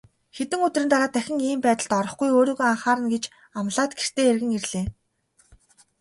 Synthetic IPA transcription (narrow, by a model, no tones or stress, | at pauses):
xet̪ɘ̆ŋɵt̪rɘ̆nt̪aɾaːt̪ʰæxʲɪ̆ŋiːmpæːt̪ə̆ɮt̪ɔɾɞ̆χɡujoːɾoːɣoːaɴχaːɾə̆nɡet͡ɕ | amɮaːt̪ɡer̥t̪ʰeːerɣɘ̆ŋerɮeː